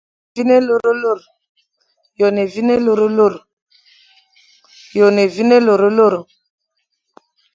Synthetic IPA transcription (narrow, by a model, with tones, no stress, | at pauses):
vi˦ne˦lo˦ɾo˦lo˦˨ɾ | jo˨ne˨vi˦ne˦lo˦ɾo˦lo˦˨ɾ | jo˨ne˨vi˦ne˦lo˨ɾo˦lo˦˨ɾo˨